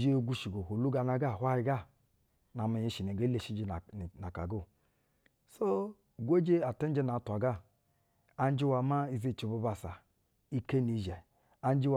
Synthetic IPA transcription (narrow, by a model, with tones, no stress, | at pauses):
d͡ʒe˦˨ɡu˧ʃi˨ɡo˨ho˨lu˦ɡa˧na˧ɡa˦˨hʷa˦hi˧ɡa˦˨ | na˨me˨ɲe˨˦ʃi˨ne˨ɡe˦le˨ʃi˦d͡ʒi˦˨na˨ka̰˨ɡo˦˨ | so˦ | ɡʷo˦d͡ʒe˦a˨te˦n˦d͡ʒe˦na˨˦tʷa˨ɡa˦˨ | a˧n˦d͡ʒi˦wa˧ma˦i˨ze˦˨t͡ʃi˨˦bo˧ba˨sa˨ | i˦ke˦ni˨ʒɛ˨ | a˧n˦d͡ʒi˦w